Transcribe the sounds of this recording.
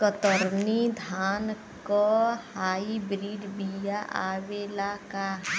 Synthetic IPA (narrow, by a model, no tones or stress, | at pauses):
kət̪əɾnid̪ʱaːn | kɔhaːibɾiːɖbijaʔaːwelakaɦ